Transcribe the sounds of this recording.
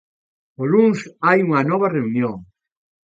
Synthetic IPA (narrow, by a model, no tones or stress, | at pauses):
oluŋsajuŋɐnɔβ̞ɐreunjoŋ